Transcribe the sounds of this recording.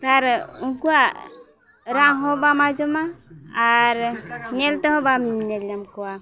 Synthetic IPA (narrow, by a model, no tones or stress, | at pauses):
t̪aɾuŋkua | ɾaɦɔbamad͡ʒɔmaː | ɾɲɛlt̪eɦɔbammɲeljamkɔwa